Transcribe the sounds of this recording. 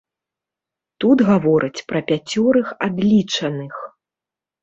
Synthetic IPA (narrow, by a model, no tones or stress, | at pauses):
t̪ud̪ɣavɔɾʔɨt͡sʲpɾɐpʲat͡sʲɔɾɨxad̪lʲit͡ʂɐnɨx